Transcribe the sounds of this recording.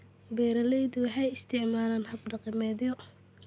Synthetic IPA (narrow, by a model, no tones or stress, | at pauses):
bɛːɾɐlɛjd̪ʊwɑħɑjɪst̪ʰɪʕmaːlaːnhɐbɖɐqɪmɛːðjɔ